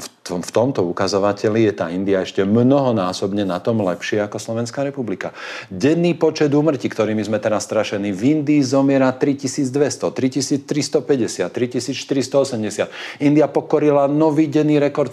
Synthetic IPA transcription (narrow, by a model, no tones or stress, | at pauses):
fɔft̪ɔmt̪ɔukazɔʋacɛlijɛt̪a̰ːind̪iaɛʃcɛmnɔɦɔnaːsɔbɲɛnat̪ɔmlɛpʃɪɛakɔslɔʋɛnskaːɾɛpublikaɟɛnːiːpɔt͡ʃɛd̪uːmr̩cikt̪ɔɾiːmizmɛt̪ɛɾasːt̪ɾaʃɛniːvind̪iːzɔmɪɛɾat̪ɾicisiːd͡zd̪ʋɛst̪ɔt̪ɾicisiːt͡st̪ɾist̪ɔpɛɟɛsɪat̪ːɾicisiːt͡sʃt̪iɾist̪ɔɔsɛmɟɛsɪat̪ind̪iapɔkɔɾilanɔʋiːɟɛnːiːɾɛkɔɾt̪